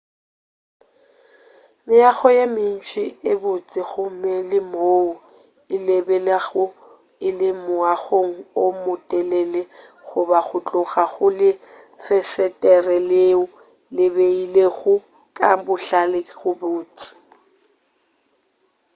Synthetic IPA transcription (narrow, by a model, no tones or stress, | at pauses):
mɪaɣɔjemɪn̩t͡ʃʰɪɪbʊt͡sʼɪɣʊmɛlɪmoːʊ | ɪlebɛleɣʊ | ɪlɪmʊaɣoŋ̩omʊtʼɛlɛlɛ | ɣʊbaɣʊt͡ɬʼʊɣaɣʊlɪ | fɛsɛtʼɛrɛleʊ | lɪbeileɣʊ | kʼabʊɬalɪɣʊbʊːt͡sʼɪ̥